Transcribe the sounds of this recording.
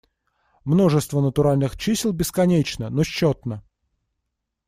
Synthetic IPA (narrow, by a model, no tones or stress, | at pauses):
mno̞ʐɨst̪vənət̪ʊɾalʲnɨxt͡ɕisʲlˠbʲɪskɐnʲet͡ɕnənoɕːot̪nə